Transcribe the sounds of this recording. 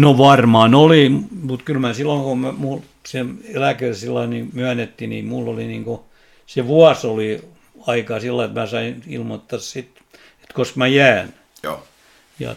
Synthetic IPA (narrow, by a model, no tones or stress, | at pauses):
noʋɑrmɑːnoliˑmmut̪kylmæsilːoŋkomæmul | senelækersilːɑinimyænet̪ːinḭmulːoliniŋko | seʋuɑsoli | ɑikɑsilːɑet̪mæsɑinḭlmot̪ːɑssit̪ | e̥t̪koskmæjæːn | jɑ̰